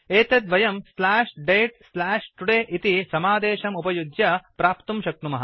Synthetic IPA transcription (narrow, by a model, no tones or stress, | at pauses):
eːt̪ed̪ʋɐjɐmslaːʃɖejʈslaːʃʈuɽeːʔit̪isɐmaːd̪eːʃɐmupɐjud̪jɐpɾaːpt̪umʃɐk̚t̪umɐɦɐ̰